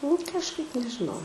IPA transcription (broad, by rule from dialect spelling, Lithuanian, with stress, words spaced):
nʊ kɐʃˈkɐɪp nʲɛʒʲɪˈnɐʊ